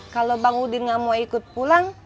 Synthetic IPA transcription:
kalobaŋudinŋamoikʊt̪̚pulaŋ

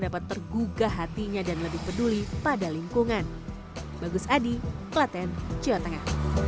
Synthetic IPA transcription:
dapat̪ːərɡuɡaɦat̪iɲadanləbɪhpədulipadaliŋkuŋan | baɡʊsadiklat̪ɛnt͡ʃiat̪əŋah

